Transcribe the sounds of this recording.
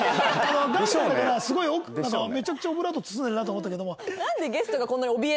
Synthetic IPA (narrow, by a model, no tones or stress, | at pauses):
ano̞ɡaoek̪aɾasɨɡo̞iokɯ̥nãŋkame̞t͡ɕakɯ̟̥t͡ɕaobɯ̟ɾat̪̬ot͡sɨ̥s̬ɨ̃nd̪eɾɯnat̪oːmot̪ːaked̪o̞monãnd̪e̞ɡe̞sɨ̥t̪oɡakõ̞nːaɲʲiobʲie